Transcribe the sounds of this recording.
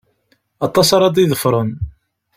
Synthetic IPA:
ɑt̪ˤːɑsɑɾɑd̪ˤiðəfɾˤən

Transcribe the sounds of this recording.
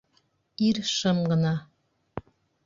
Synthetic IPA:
iɾʃɤmɢɤ̆nɑ

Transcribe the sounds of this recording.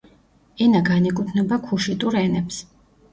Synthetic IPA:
ɛnaɡanɛkʼut̪ʰnɛbakʰuʃit̪ʼuɾɛnɛps

